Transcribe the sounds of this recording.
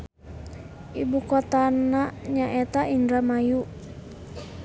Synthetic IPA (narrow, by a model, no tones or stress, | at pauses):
ʔibukɔt̪anaɲaʔɛt̪aʔindɾamaju